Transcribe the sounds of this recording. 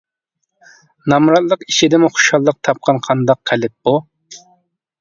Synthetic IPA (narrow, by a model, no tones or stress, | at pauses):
nɑmɾɑt̪lˠəqiʃid̪ɪmʊχʊ̥ʃɑlˠːəq̚t̪ʰɑp̚qʰɑnqʰɑnd̪ɑqːɛlɪt̪̚b̥u